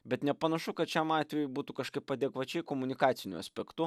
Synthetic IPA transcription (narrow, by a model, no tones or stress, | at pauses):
bʲɛt̪nʲɛpɐnɐʃʊkɐt̪t͡ʃʲɛmɑːt̪ʲʋʲɛjʊbuːt̪ukɐʃkɐɪppːɐd̪ʲeːkʋɐt͡ʃʲɛɪkoːmʊnʲɪkɑːt̪sʲɪnʲʊɐ̰sʲpʲɛkt̪ʊ